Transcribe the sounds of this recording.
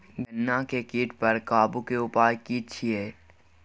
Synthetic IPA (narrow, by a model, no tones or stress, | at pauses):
ɡɐnːakekiːʈpɐɾkaːbukeʊpaːjkiːt͡ʃʰiɦɛː